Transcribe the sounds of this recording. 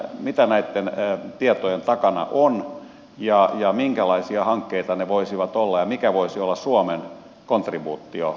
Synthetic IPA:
mit̪ænæit̪ːent̪iet̪ojent̪ɑkɑnɑ̰ʔon | jɑjɑmiŋkælɑisiɑhɑŋkːeit̪ɑneʋoisiʋɑt̪olːɑjɑmikæʋoisiolːɑssuomen | kont̪ribuːt̪ːio

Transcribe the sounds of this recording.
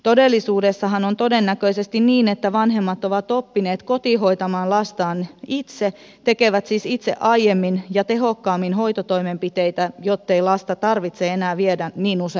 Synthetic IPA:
t̪odelːisuːdesːɑɦɑnont̪odenːækøisest̪inniːnet̪ːæʋɑnɦemːɑt̪oʋɑt̪opːineːt̪kot̪iɦojt̪ɑmɑːnlɑst̪ɑːnit̪se | t̪ekeʋæt̪siːsit̪sḛʔɑjjemːinjɑt̪eɦokːɑːmːinhoit̪ot̪oimempit̪ejt̪æjot̪ːeilɑst̪ɑt̪ɑrʋit̪seenæːʋiedæniːnuse

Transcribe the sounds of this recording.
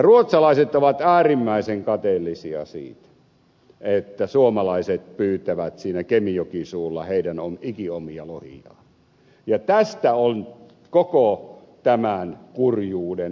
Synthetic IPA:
ruot̪sɑlɑˑiset̪oʋɑt̪æːrimːæˑiseŋkɑt̪elːisiɑ̰sḭːt̪ | et̪ːæsuomɑlɑˑiset̪̚pyːt̪æʋæt̪siːnækemiokisuːlːɑ̰heˑidænomikiomiɑlohḭɑ̰ː | jɑt̪æst̪æon | koko | t̪æmænkurjuːden

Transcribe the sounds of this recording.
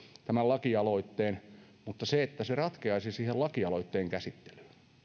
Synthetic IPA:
t̪æmælɑkiɑloit̪ːeːn | mut̪ːɑseet̪ːæserɑt̪keɑisisiːhelɑkiɑloit̪ːeːŋkæsit̪ːe̥ly̥ː

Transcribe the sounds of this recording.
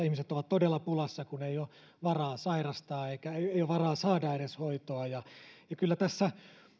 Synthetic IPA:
ihmiset̪oʋɑt̪t̪odelːɑpulɑsːɑkuneijo | ʋɑrɑːsɑirɑst̪ɑːeikæeeioʋɑrɑːsɑːdɑeneshoit̪oɑjɑjɑkylːæt̪æsːæ

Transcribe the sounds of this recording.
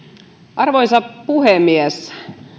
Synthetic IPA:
ʔɑrʋojnsɑppuhemies

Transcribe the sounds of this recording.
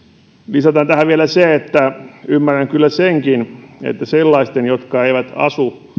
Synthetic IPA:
lisɑt̪ɑnt̪æhæʋielæseet̪ːæymːæræŋkylːæseŋkinḛt̪ːæselːɑist̪enjot̪kɑeiʋæt̪ɑ̰su

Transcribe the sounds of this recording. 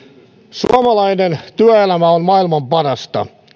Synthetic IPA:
sṵɑmɑlɑinent̪yæelæmæonmɑilmɑmpɑrɑst̪ɑ̰

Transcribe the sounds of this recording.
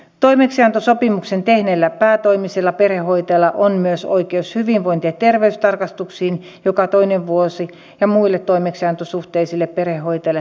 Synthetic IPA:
t̪oimeksiɑnt̪osopimuksent̪ehnelːæpæːt̪oimiselːɑperehoit̪ɑlːɑʔonmyøso̰ikeushyʋiʋʋoint̪iɑtt̪erʋeyst̪ɑrkɑst̪uksiːn | jokɑt̪oineʋʋuosi | jɑmuilːet̪t̪ːoimeksiɑnt̪osuht̪eisilːepperehhoit̪elːe

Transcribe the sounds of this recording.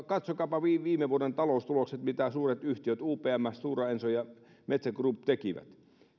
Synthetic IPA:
kɑt̪sokɑːpɑʋiːʋiːmeʋuoɾent̪ɑloˑust̪ulokset̪mit̪æsuːret̪yht̪iøt̪uːpeːæmːæssuːrɑensojɑ | met̪sækruːpt̪ekiʋæ̰t̪

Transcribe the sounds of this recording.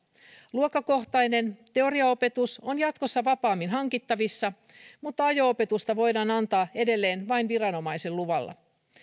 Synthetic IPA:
luokːˑɑko̞ht̪ɑjne̞nt̪e̞o̞ɾiɑo̞pe̞t̪uso̞njɑt̪ko̞sːɑʋɑpɑːmːinɦɑŋkit̪ːɑʋisːɑ | mut̪ːɑɑjo̞ope̞t̪ust̪ɑʋo̞jdɑːnɑnt̪ɑːe̞de̞lːe̞ːnʋɑinʋiɾɑno̞mɑjselluʋɑ̰lːɑ̰

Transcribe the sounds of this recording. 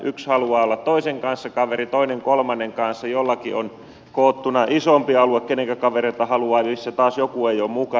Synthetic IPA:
ʔykshɑluɑːolːɑt̪toiseŋkɑnsːɑkɑʋerit̪oineŋkolmɑnːeŋkɑnsːɑjolːɑkion | koːt̪ːunɑʔisompiɑluekkeneŋkækɑʋereit̪ɑhɑluɑːlisːet̪ɑːsjokueioːmmukɑ

